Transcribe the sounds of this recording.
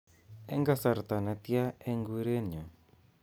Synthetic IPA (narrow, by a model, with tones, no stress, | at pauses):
ɛ̰˦ŋɡa˦sa˨ɾt̪a˨na˨t̪ja˦e˦ŋɡu˦ɾe˦ɲo˨